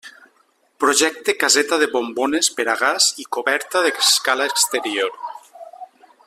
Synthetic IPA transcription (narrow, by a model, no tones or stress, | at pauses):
pɾoʒɛk̚t̪ekazet̪aðeβombonespeɾaɣ̞azikoβɛɾt̪aðeskalaekst̪eɾioɾ